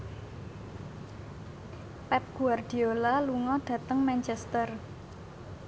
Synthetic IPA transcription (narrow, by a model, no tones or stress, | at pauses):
pɛp̚ɡ̥uard̪̥i̤olaluŋɔd̪̥ä̤t̪əŋmant͡ʃɛst̪ər